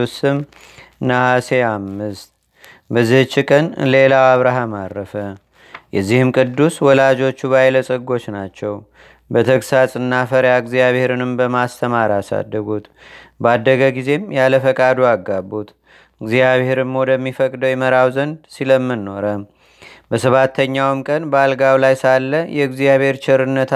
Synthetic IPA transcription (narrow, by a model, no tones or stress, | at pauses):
usɨm | nahase̞amːɨst̪̚ | bəzːihɨt͡ʃːɪkʼənle̞lawaβɾaɦamadɾəfə | jɛzːihɨmkʼɨd̪ːuswɔlad͡ʒo̞t͡ʃːuβajləsʼəɡːo̞t͡ʃːnat͡ʃːɛw | bət̪ʰəkʼsasʼɨnːafəɾjaɡzijaβhe̞ɾɨnɨmbəmast̪ʰəmaɾasa̰d̪ːəɡut̪ | bad̪ːəɡəɡize̞mjaləfəkʼad̪uaɡːabːut̪ | ɨɡzijaβhe̞ɾɨmmod̪əmːifəkʼd̪əwjɛməɾawzənbsiləmːɨnːo̞ɾə | bəsəβat̪ʰːəɲːawɨmkʼənbəalɡawlajsalːəjɛɡzijaβhe̞ɾt͡ʃɪɾɨnːət̪ʰ